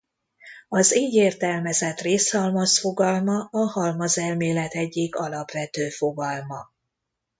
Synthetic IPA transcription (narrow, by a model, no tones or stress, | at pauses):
ɒzeːɟeːrt̪ɛlmɛzɛt̪reːshɒlmɒsfo̞ɡɒlmɒɒhɒlmɒzɛlmeːlɛt̪ɛɟːiɡɒlɒpʋɛt̪øːfo̞ɡɒlmɒ